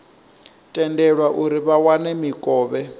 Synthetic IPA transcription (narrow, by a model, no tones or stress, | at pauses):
tʼɛndɛɺwaʔuɾiβawanɛmikʼɔːβɛ